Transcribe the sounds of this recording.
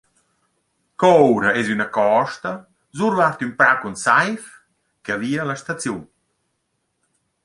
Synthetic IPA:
kɔowɾaɛzynakɔʃt̪a | zuɾvaɾt̪ympɾakunsajf | kaviːalaʃt̪at͡sjun

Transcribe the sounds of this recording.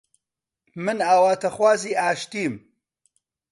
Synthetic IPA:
mɨnaːwaːt̪ʰɐxwaːziːʔaːʃt̪iːm

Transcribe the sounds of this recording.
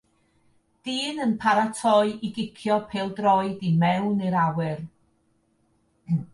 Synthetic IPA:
d̥iːnənpʰaɾatʰɔɨʔiɡɪkʰjɔpʰeːlˠdrɔɨdimɛwniɾawɨr

